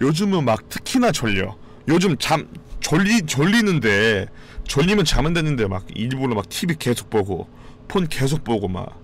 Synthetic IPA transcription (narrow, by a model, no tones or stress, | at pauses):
jod͡ʑɯmɯnmak̚tʰɯ̥kʰinat͡ɕʌʎːʌ̰ | jod͡ʑɯmt͡ɕamt͡ɕʌʎit͡ɕʌɭʎːinɯnde̞ | t͡ɕʌʎːimjʌnt͡ɕamɯndenːɯnde̞ma̰ɡiɭbuɾomak̚tʰibike̞sʰo̥k̚p͈oɡo̰ | pʰonke̞sʰok̚p͈oɡoma̰k